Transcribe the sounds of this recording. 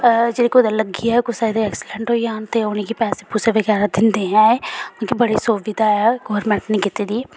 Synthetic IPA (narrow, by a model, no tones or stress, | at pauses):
d͡ʒeːɽeːkoːd̪aləɡijaːɛkʊsaid̪eɛːksɪlɛ̃ɳʈɦoːiːaːnt̪eːʊnikipɛːseːpʊseʋəɡɛːɾaːd̪ɪnd̪eːɦɛ̃ːkõːkibəɽiːsoːʋɪd̪aːɛɡoːɾmɛ̃ɳʈnĩːkɪt̪eːd̪iː